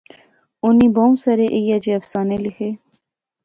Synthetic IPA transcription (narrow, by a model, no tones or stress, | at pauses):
ʊniːboːmsɐɾeʔejad͡ʒeːɐfsaːnelɪxʰeː